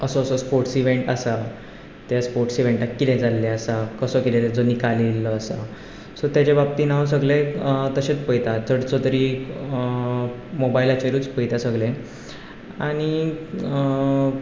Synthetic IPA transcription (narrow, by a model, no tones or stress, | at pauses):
əsoəsospoɾʈsiʋ̤eɳʈasa | t̪jaspoɾʈsiʋeɳʈakːit̪ɛ̃d͡zalːeasakəsəkit̪ɛ̃d͡zonikaliləːsa | sɔt̪jat͡ɕebap̚t̪iːnaws̬əɡlet̪əɕet͡spəjt̪at͡səɽt͡sot̪əɾi | mobailat͡ɕeɾuːt͡spəjt̪asəɡlẽ | aɽ̃i